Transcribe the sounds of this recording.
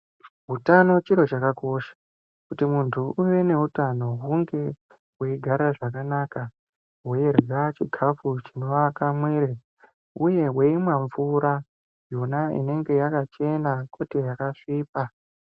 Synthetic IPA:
ɦutano̞t͡ʃiɾo̞t͡ʃakako̞ʃḁ | kutimuntʰuʔuʋe̞ne̞utano̞ɦuŋɡe̞ | weiɡʱaɾaʐakanaka | wojerat͡ʃiɡʱafut͡ʃino̞ʋakamweːɾe | uje̞ɦwe̞imwaɱvuɾa | jo̞naḭne̞ŋɡe̞jakat͡ʃe̞nakʰo̞tejakaʂiːpa

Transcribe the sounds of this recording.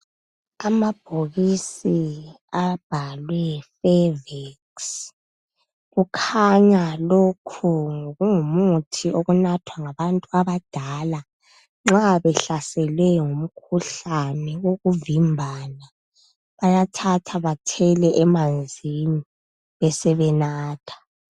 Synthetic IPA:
amab̥ʱoɣisi | ab̥ʱalwɛfɛvɛks | ɣukʰaɲalokʰuŋoɣuŋumutʰiʔoɣunatʰwaŋaβantʼuaβad̥ʱala | ŋ͡ǁaβɛɬasɛlwɛŋum̩kʰuɬanɛwoɣuvimbʱana | βajatʰatʰaβatʰɛlɛʔɛmand͡zʱini | βɛsɛβɛnaːtʰḁ

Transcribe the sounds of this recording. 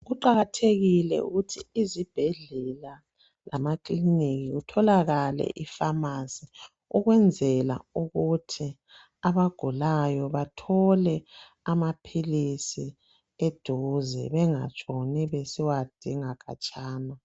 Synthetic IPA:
ɣuǃaɣatʰeɣilɛ̰ṵɣutʰiizib̥ʱɛɮɛla | la̰makliniɣiɣutʰɔlaɣalɛ̰ʔifamasi | uɣwɛnd͡zʱɛla̰uɣutʰi | aβaɡ̥ʱulajɔβatʰɔlɛ | amapʰilisi | ed̥ʱuzɛ̰βɛŋa̰t͡ʃʼɔnɛβesiwad̥ʱiŋaɣʰʼa̰t͡ʃʼaːna

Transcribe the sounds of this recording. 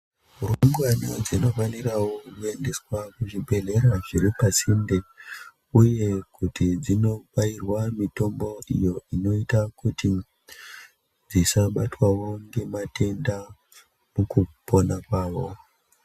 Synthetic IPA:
uruŋɡwanod͡zino̞fanirawokue̞nde̞swakuʐibʱe̞le̞ɾaʐiɾipasinde | uje̞kutid͡zino̞pairwamito̞mbo̞ḭjo̞ino̞itakuti | d͡zisaɓatwawo̞ŋɡe̞matʰe̞nda | mukuponakwaːʋo̞

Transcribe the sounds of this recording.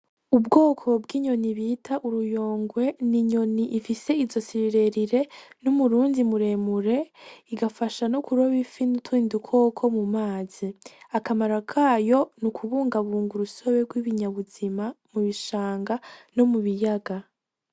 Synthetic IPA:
ubɡoːkʰo̞bɡiːɲo̞niβitʰaʔuɾujo̞ːŋɡwe̞niɲo̞niʔifise̞izo̞siɾiɾe̞ɾiɾe̞numuɾuːndimuɾe̞muɾe̞iɡafaʃanokuɾo̞βifinutwiːndukʰo̞ːkʰo̞mumaːz̥iakamaɾakʰaːjo̞nukʰuβuːŋɡaβuːŋɡuɾuso̞βe̞ɡwiβiɲaβuz̥imamuβiʃaːŋɡano̞muβijaɡa

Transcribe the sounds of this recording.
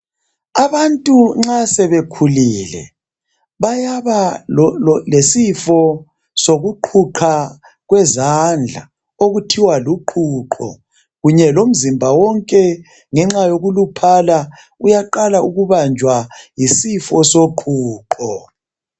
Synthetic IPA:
aβantʼuŋ͡ǁasɛβekʰuliːlɛ̰ | βajaβa | lesifɔ | soɣuǃʰuǃʰa | ɣwɛzand͡ɮʱa̰ | oɣutʰiwaluǃʰuǃʰɔ̰ | ɣuɲɛlom̩zimbʱawɔŋkʼɛ | ŋɛŋ͡ǁajoɣulupʰala | ujaǃalauɣuβand͡ʒʱwajisifɔsoǃʰuːǃɔ

